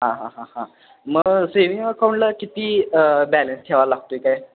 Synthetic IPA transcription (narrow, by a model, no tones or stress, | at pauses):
ɦãɦãɦãɦã | məɡseʋiŋɡəkʰauɳləkit̪iːbælənst̪ʰɛʋalaɡt̪oekaj